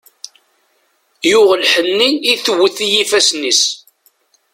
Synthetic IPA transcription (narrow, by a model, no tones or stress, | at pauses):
jʊʁəlħənːiiθwːəθijifæsnis